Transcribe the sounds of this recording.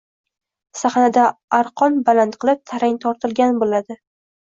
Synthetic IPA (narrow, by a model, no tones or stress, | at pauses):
saχnad̪aaɾqʰɒnbalant̪qʰɨlˠɪp̚t̪ʰaɾaŋt̪ʰɒɾt̪ʰɪlɡʲanbolad̪ɪ